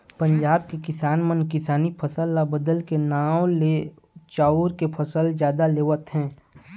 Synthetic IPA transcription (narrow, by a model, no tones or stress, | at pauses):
pə̃ɲd͡ʒaːb̚kekɪsaːnmənkɪsaːnipʰəsəlːabəd̪əlkenaːwle | t͡ʃaːʊɾkepʰɐsəld͡ʒjaːd̪aleːʋət̪ɦɛ̃ː